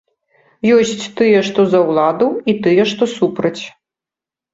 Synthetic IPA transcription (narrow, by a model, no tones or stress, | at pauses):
jɔsʲt͡sʲt̪ɨjɛʂt̪ɔzɐwlˠad̪uit̪ɨjɛʂt̪ɔsupɾɐt͡sʲ